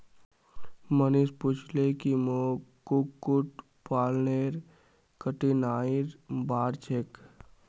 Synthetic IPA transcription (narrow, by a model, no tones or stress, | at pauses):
mənispʊt͡ʃʰlekimokukːʊʈ | paːlneɾ | kəʈinaːiɾbaːɾt͡ʃʰek